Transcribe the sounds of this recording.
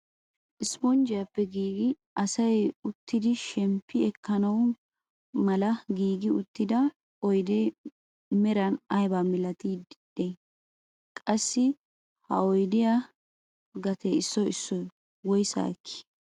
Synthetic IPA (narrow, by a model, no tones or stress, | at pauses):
ʔɪspɔnd͡ʒɪjɐpːɛɡiːɡɪ | ʔɐsɐjʊt̪ːɪd̪ɪʃɛmpːɪɛkːɐnɐw | mɐlɐɡiːɡɪʊt̪ːɪd̪ɐ | ɔjd̪e | mɛɾɐnɐjbamɪlɐt̪iːd̪de | kʼɐsːɪ | hɐ̰ɔjd̪ɪja | ɡɐt̪eɪsːɔɪsːɔj | wɔjsa̰ːkʰːɪ̥